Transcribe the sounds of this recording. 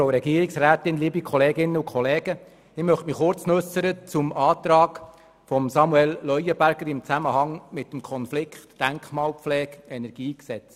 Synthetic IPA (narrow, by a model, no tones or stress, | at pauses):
oʊɾɛɡiəɾɪksræːt̪ɪnliːbikʰχɔleːɡɪnːəukʰχɔleːɡ̥ə | ɪmœχtmiχʊrt͡snʉsəɾət͡sʊmɑːt̪ɾɑːk | fɔmsɑmuɛllːœjəbæɾɡ̥əɾɪmt͡sæməhɑŋmɪt̪ːəm̩kʰɔnflɪkχtːæŋkχmɑːlpflɛːkɛnɛɾɡ̥iːksɛt͡s